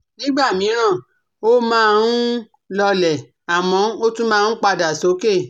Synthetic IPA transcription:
nĩ˦ɡ͡ba˦˨mĩ˨˦ɾ̃ã˦˨ | o˦mãː˦˧ũ˦ | lɔ˧lɛ˨ | a˨mɔ̃˨˦o˦tũ˦mãː˦˧ũ˦k͡pa˧da˨so˨˦ke˦˨

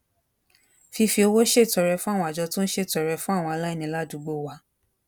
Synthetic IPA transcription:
fi˧fi˧o˧wo˦ʃe˦˨tɔ˨˧ɾɛ˧fũ˦a˦˨w̃ɔ̃˧a˨d͡ʒɔ˧tũ˦n̩˦ʃe˦˨tɔ˨˧ɾɛ˧fũ˦a˦˨wɔ̃˧a˧la˦i˦˨nĩ˧˦la˦˨du˨˦ɡ͡bo˦˨wa˧˦

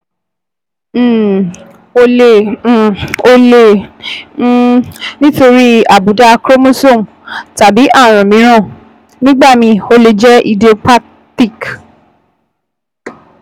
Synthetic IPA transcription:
o˧le˧˨ | o˧lẽ˧˨˦ | nĩ˦to˧ɾi˦a˨bu˨˦da˧kɾo˦mõ˦so˦˨m˨ta˨bi˨˦ʔa˦˨ɾ̃ã˨mĩ˨˦ɾ̃ã˦˨ | nĩ˦ɡ͡ba˦˨mĩ˧o˧le˧d͡ʒɛ˦i˧de˨o˧pa˦ | ti˦˨k

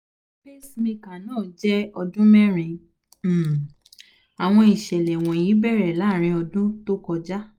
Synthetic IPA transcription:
be˦smĩ˧ka˨nãː˦˨d͡ʒɛ˦ɔ˧dũ˦mɛ˦ɾ̃ĩ˨˧˨ | a˨w̃ɔ̃˧i˨ʃɛ˨lɛ˨w̃ɔ̃˨ji˨˦bɛ˦˨ɾɛ˨la˨˦˨ɾ̃ĩ˧ɔ˧dũ˦to˦kɔ˧d͡ʒa˦

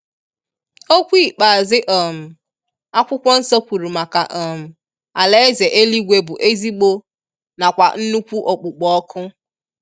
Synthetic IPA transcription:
o˦kʷi˦˨k͡pa˨zɪ˦ʔɔ˨m̩˨ | a˦kʷʊ˦kʷɔ˦n̩˦sɔ˦kʷu˨ɾu˨ma˨ka˨ʔɔ˨m̩˨ | a˨le˦ze˨ʔe˦li˦ɡʷe˦bʊ˨ʔe˦zi˦ɡ͡bo˦ | na˨kʷa˨n̩˦nu˦kʷu˦ʔɔ˨k͡pʊ˨k͡pɔ˦kʰʊ˦

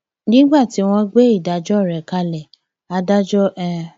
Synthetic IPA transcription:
nĩ˦ɡ͡ba˦˨ti˨˦w̃ɔ̃˧ɡ͡be˦i˦˨da˨˦d͡ʒɔ˦˨ɾɛ˨ka˧lɛ˨ | a˧da˦d͡ʒɔ˦ʔɛ̃˦˧˨

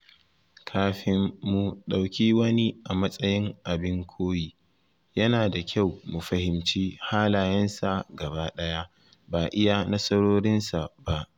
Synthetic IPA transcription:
kʰaː˨ɸɪ˨mːu˨ɗa˨wkʲiː˦wɐ˦ni˦ʔa˨mɐ˦sʼɐ˦jɪ˦ŋʔa˨bɪ˦ŋkʷʰoː˦jiː˨ | jɐ˦naː˨da˨kʲʰa˦˨wmu˨ɸɐ˦hɪ˨mt͡ʃiː˦haː˦laː˨jɐ˦nsa˨ɡɐ˨baː˦ɗɐ˦ja˦ | baː˨ʔɪ˦ja˦nɐ˦sʼɐ˦ɽoː˦ɾɪ˦nsa˨ba˦ʔ

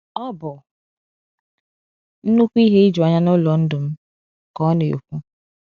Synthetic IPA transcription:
ɔ˦bʊ˨ | n̩˦nu˦kʷi˦ɦe˦i˦d͡ʒʊ˨a˨ɲa˦nʊ˦lɔ˨n̩˦dʊ˨m̩˦ | kɔ˦ne˨o̰˨kʷu˦

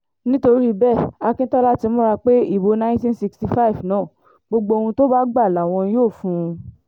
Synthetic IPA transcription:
nĩ˦to˧ɾi˦bɛ˦˨a˧kĩ˦tɔ˦la˦ti˧˦mɔ̃˦ɾa˧k͡pe˦i˦˨bo˨˧nã˦tĩ˦n˦si˧ksti˧fa˦i˨fnãː˦˨ | ɡ͡bo˧ɡ͡bo˧o˧hũ˧to˦ba˦ɡ͡ba˦˨la˨w̃ɔ̃˧˦joː˦˨fũ˧

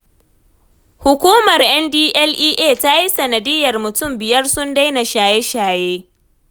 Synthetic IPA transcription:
hʊ˨kʷuː˦mɐ˨rʔɛ˦ndiː˦ʔɛ˦lʔiː˦ʔeː˦˨ta˦ji˦sɐ˨nɐ˨dɪ˦jːɐ˨rmʊ˨tʊ˦˨mbɪ˨jɐ˦rsʊ˦nda˦jna˨ʃaː˨je˦ʃaː˨jeː˦

